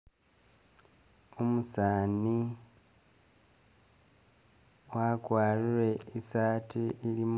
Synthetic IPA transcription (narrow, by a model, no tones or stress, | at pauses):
omusaːni | wakwaːɾiɾe̞isaːtʰiiɾim